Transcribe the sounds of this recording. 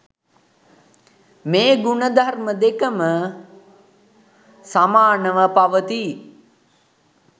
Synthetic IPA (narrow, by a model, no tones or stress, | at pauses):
meːɡunəd̪ʱarməd̪ekəmə | samaːnəʋəpaʋət̪i